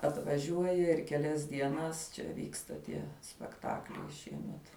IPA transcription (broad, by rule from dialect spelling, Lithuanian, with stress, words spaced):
ɐtʋɐˈʒʲuɔjɛ ɪr kʲɛˈlʲɛs dʲiɛˈnɐs t͡ʃʲɛ ˈʋʲiːkstɐ tʲiɛ sʲpʲɛkˈtɑːklʲɛɪ ˈʃʲiɛmʲɛt